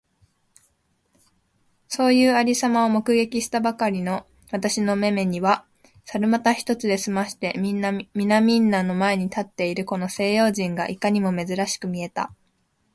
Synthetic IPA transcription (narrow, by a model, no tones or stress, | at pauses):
so̞ːjɯ̟ːaɾʲisamaomo̞kɯ̟ɡe̞kʲiɕi̥t̪abakaɾʲino̞ | βat̪aɕino̞me̞me̞ɲ̟iβa | saɾɯ̟mat̪açi̥t̪o̞t͡sɨd̪e̞sɨmaɕi̥t̪e̞mʲinːamʲinamʲĩnːano̞mae̞ɲ̟it̪at̪ːe̞iɾɯ̟ko̞no̞se̞ːjo̞ːʑĩŋɡa̰ʔikaɲ̟imo̞me̞zɨɾaɕi̥kɯ̟mʲie̞t̪a̰